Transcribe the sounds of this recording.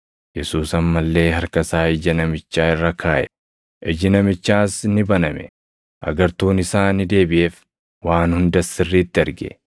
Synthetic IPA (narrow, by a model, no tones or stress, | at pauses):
jɛsuːsɐmːɐlːe̞ːɦɐɾkɐsaːɪd͡ʒɐnɐmɪt͡ʃːaːɪrːɐkʰaːʔɛ | ʔɛd͡ʒɪnɐmɪt͡ʃːaːsnɪbɐnɐmɛ̰ | ʔɐ̰ɡɐɾt̪uːnɪsaːnɪd̪e̞ːbɪʔeːf | waːnhʊnd̪ɐsɪrːiːt̪ːɪɐɾɡɛ̰